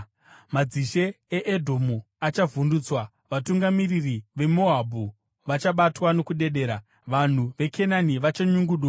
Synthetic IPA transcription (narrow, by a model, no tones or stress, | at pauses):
mad͡ziʃe̞ː | ʔːdʱo̞mu | at͡ʃavunduːt͡swa | ʋatuŋɡamiririʋe̞mo̞abʱu | ʋat͡ʃaɓatwano̞kuɗe̞ɗe̞ːɾa | ʋan̤uʋe̞kʰe̞naniʋat͡ʃaɲuŋɡuɗa